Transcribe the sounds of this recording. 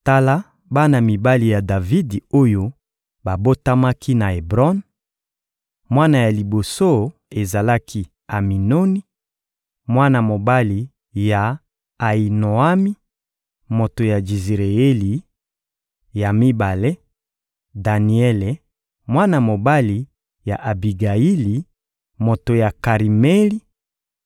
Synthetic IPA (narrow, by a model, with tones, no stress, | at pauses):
ta˦la˦ | ba˦na˨mi˨ba˦li˨ja˨da˨vi˦do˦jo˦ | ba˨bo˦ta˦ma˦ki˦na˨e˨bʁɔ˦n | mwa˦na˨ja˨li˨bo˨so˦e˨za˨la˦kʰi˦ | a˨mi˨no˦ni˦ | mwa˦na˨mo˨ba˦li˨ | ja˨ | a˨i˨no˨a˦mi˦ | mo˨to˨ja˨d͡ʒi˨zʁe˨e˦li˨ | ja˨mi˦ba˨le˦ | da˨ni˨ɛ˦le˨ | mwa˦na˨mo˨ba˦li˨ | ja̰˨ʔa˨bi˨ɡa˨i˦li˨ | mo˨to˨ja˨ka˨ʁi˨me˦li˦